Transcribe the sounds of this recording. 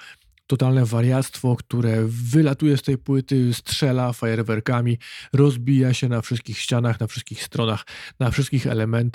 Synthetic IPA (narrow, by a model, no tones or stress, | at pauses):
t̪ɔt̪alnɛvaɾʲjat̪st̪fɔkt̪uɾɛvɘlat̪ujɛst̪ɛjpwɘt̪ɘstʂɛlafajɛɾvɛɾkamʲiɾɔzbʲijaɕɛnafʂɘst̪̚kʲixɕt͡ɕanaxnafʂɘst̪kʲixst̪ɾɔnaxnafʂɘst̪̚kʲixɛ̰lɛmɛnt̪